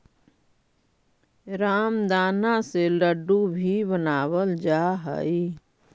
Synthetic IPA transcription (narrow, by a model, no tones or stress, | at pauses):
ɾaːmd̪aːnaseləɖːubʱibənaːwəld͡ʒaɦə̰i